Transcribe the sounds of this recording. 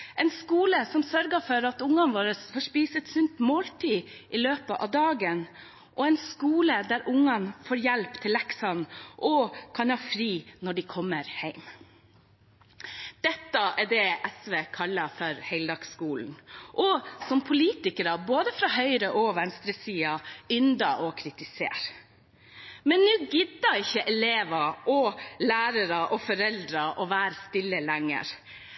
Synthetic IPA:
ɛɪnskuːləsɔmsœɾɡəfɔɾɑt̪ʊŋɑnʋɑːɾəfɔʂpiːsət̪sʉnt̪moːlt̪ʰiːʔɪløːpəʔɑ̰ʋd̪ɑːɡən | ʔɔɛɪnskuːləd̪æɾʔʊŋːɑnfoːɾjɛlpt̪ʰɪlɛksɑnʔɔkʰɑnhɑːfɾiːnɔɖɪkʰɔmːəɾhæɪm | d̪̥ɛt̪ːɑʔæɖɛʔɛsʋeːkʰɑlːɑfɔɾhæɪld̪ɑːɡskuːln̩ʔɔsɔmpʰʊliːt̪ɪkəɾɑboːd̪əfɾɑːɦœʏɾəʔɔʋɛnst̪ɾəsiːɑʏnd̪ɑʔɔkʰɾɪt̪ɪsḛːɾ | mɛnːʉːɡʏd̪ɑɪçːəʔɛleːʋɑʔɔlæːɾəɾɑʔɔfɔɾɛld̪ɾɑʔɔʋæːɾst̪ɪlːəlæŋːə̰ɾ

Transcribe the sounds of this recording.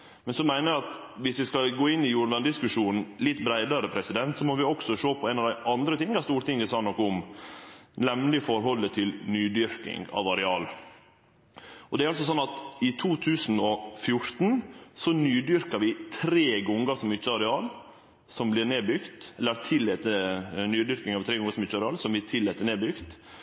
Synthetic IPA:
mɛnsɔmæɪnəæɑt̪ʋɪsʋɪskɑlɡoːɪnːɪjuːɾɳʋɑnd̪ɪskʉʂuːnn̩lɪt̪ːbɾæɪd̪ɑɾəpʰɾɛsɪd̪ɛnt̪sɔmɔʋɪɔksɔʂoːpʰɔæɪnɑʋd̪æɪʔɑnd̪ɾət̪ʰɪŋːɑst̪uːɾt̪ɪŋɡəsɑnɔkːɔʊm | nɛmlɪəfɔɾɦɔlːət̪ʰɪlnyːd̪ʏɾkɪ̰ŋɡɑ̰ːʋɑɾɛɑːl | ɔd̪ɛæɾɑlsɔsɔnːɑt̪ɪt̪ʰuːt̪ʰʉːsn̩ɔfjʊɾt̪n̩sɔnyːd̪ʏɾkɑʋɪt̪ʰɾeːɡɔŋɡɑsɔmɪt͡ʃːəɑɾɛɑːl | sɔmblɪɾneːbʏɡt̪ɛlːəɾt̪ʰɪlːɛt̪ənyːd̪ʏɾkɪŋɑʋt̪ʰɾeːɡɔŋəsɔmɪt̪t͡ʃːəɑɾɛɑːlsɔmblɪt̪ʰɪlːɛːt̪ːəɳeːbʏɡt̪

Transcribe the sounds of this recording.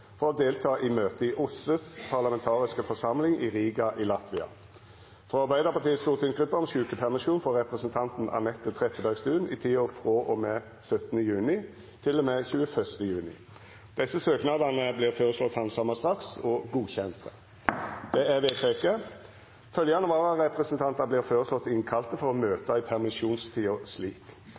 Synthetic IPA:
fɔʁɔd̪eːlt̪ʰɑːʔɪmøːt̪əɪʔʊsəspʰɑʁlɑmɛnt̪ʰɑːʁɪskəfɔʁsɑmlɪŋiʁiːɡɑʔilɑt̪ʋɪɑ̰ | fʁɔɑʁbæɪd̪əʁpʰɑʁt̪ʰiːəst̪uːʁt̪ʰɪnsɡʁʉpːəɔmʃʉːkəpʰæʁmɪʃuːnfɔʁʁɛpʁɛsənt̪ʰɑnt̪n̩ɑ̰nɛt̪ːət̪ʰʁɛt̪ːəbæʁɡst̪ʉːnit̪ʰiːoːfʁoːʔɔmeː | sœt̪ənəjʉːnɪ | t̪ʰɪlːɔmɛçʉːəfœʁst̪əjʉːnɪ̰ | d̪̥ɛsːəsøːknɑd̪ɑnəbliːʁføːʁəslɔt̪hɑnsɑmɑst̪ʁɑksɔɡuːçɛnt̪ə | d̪̥ɛæʋeːt̪ʰeːkə | fœljɑnəʋoːʁɑʁɛpʁɛsənt̪ʰɑnt̪ɑbliːʁføːʁəslɔt̪ːɪŋkʰɑlt̪əfɔʁɔmøːt̪ɑɪpʰæʁmɪʃuːnst̪ʰiːɔsliːk

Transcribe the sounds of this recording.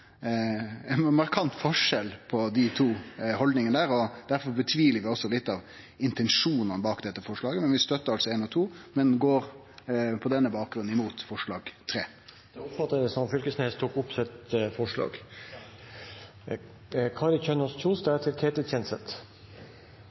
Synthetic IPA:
ɛnmɑɾkʰɑnt̪fɔʂɛlpʰɔd̪ɪt̪ʰuːhɔld̪nɪŋənəd̪æːɾɔd̪æɾfɔɾbət̪ʰʋiːləɾʋɪɔsɔlɪt̪ːɑʋ | ɪnt̪ɛnʂuːnɑnbɑːkd̪ɛt̪ːəfɔʂɭɑːɡəmɛnʋɪst̪œt̪ːəɾɑlsɔɛːnɔt̪ʰuːmɛnɡoːɾ | pʰɔd̪ɛnːəbɑːk̚ɡɾʉn̩ːɪmuːt̪fɔʂɭɑːɡ̥t̪ʰɾeː | d̪̥ɛʊpfɑt̪ːəd̪ɛsɔmfʏlkəsneːst̪ʰuːkʊpsɪt̪fɔʂɭɑ̰ːɡ | kʰɑːɾɪçœnəst͡ʃʰuːsd̪æt̪ʰɪlkʰeːt̪əɛnsət̪

